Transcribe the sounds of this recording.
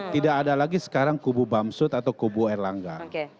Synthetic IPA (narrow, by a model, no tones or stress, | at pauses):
t̪idakːdalaɡisə̥kaɾaŋkububamsʊt̪at̪awkubuɛrlaŋɡa